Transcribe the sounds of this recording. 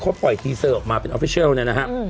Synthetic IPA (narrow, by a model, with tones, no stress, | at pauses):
kʰo˦˥t̪̚pɔ˨˩jt̪ʰiː˧səː˧˩˨p̚maː˧pe˧nʔɔ˨˧fi˦˥i˥˨lni˥˩na˦˥kʰa˦˥